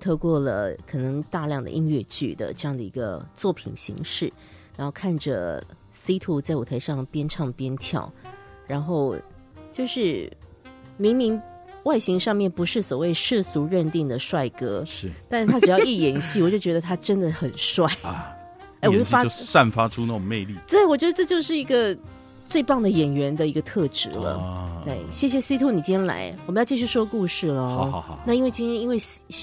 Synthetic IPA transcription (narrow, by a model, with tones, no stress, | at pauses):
t̪ʰɤ˥˧kwɔ˥˩lə̰˩kʰɤ˨˩nɤ˧˥ŋt̪a˥˧ljɑ˥˩ŋd̪ə̰˧ʔi˧˥ŋɥɛ˥˧t͡ɕy̰˥˩d̪ə̰˩ʈ͡ʂɤ˥˧jɑ˥˩ŋd̪ə˩ḭ˧˥ɡə̰˧t͡swɔ˥˩pʰḭ˨˩nɕḭ˧˥ŋʂɻ̩˥˩ | ɻa˧˥nxo˥˧ʊkʰa˥˩nʈ͡ʂə̰˨˩ | si˥t̪ʰu˥˩t͡sa˥˩ɪu˨˩t̪ʰa˧˥ɪʂɑ˥˧ŋpjɛ˥nʈ͡ʂʰɑ˥˩ŋpjɛ˥nt̪ʰjɑ̰˥˩ʊɻa˧˥nxo˥˩˧ʊt͡ɕjo˥˧ʊʂɻ̩˥˩ | mi˧˥ŋmi˧˥ŋwa˥˩ɪɕi˧˥ŋʂɑ˥˧ŋmjɛ˥˩npu˧˥ʂɻ̩˥˩swɔ˨˩we˥˧ɪʂɻ̩˥˩su˧˥ɻə˥˧nt̪i˥˩ŋd̪ə˩ʂwa˥˩ɪkɤ˧˥ʂ̩˥˩t̪a˥˧nʂ̩˥˩t̪ʰa˥ʈ͡ʂ̩˨˩jɑ˥˧ʊʊi˥˩jɛ˧˥nɕi˥˩wɔ˨˩t͡ɕjo˥˩ʊt͡ɕɥɛ˧˥d̪ə˧t̪ʰa˥ʈ͡ʂə˦˥nd̪ə˨xə˨˩nʂwa˥˩ɪ˥˩ | ɪ˨˩jo˥˩fa˧˥o˥˧˩sa˥˩nfa˥ʈ͡ʂʰu˥˦na˥˩o˨˩ŋme˥˧ɪli˨˩t̪we˥˩ɪwɔ˨˩t͡ɕɥɛ˧˥d̪ə˧ʈ͡ʂɤ˥˧t͡ɕjo˥˧ʊʂɻ̩˥˩i˧˥ɡə˧ | t͡swe˥˧ɪpɑ˥˩ŋd̪ə˩jɛ˨˩nɥɛ˧˥nd̪ə˧˨i˧˥ɡə˧t̪ʰɤ˥˩ʈ͡ʂɻ̩̰˧˥lə̰˧˨e˥˩ɪɕjɛ˥˩ɕ̬jɛ˨˩si˥t̪ʰu˥ni˨˩t͡ɕjɛ˥nla̰˧˥ɪwɔ˨˩mə˧jɑ˥˧ʊt͡ɕi˥˧ɕy˥˩ʂwɔ˥ə˧ku˥˧ʂɻ̩˥˩lə˩ɔ˦˧na˥˧i˥nwe˥˩ɪt͡ɕi˥nt̪ʰjɛ˥ni˥nwe˥˩ɪ˥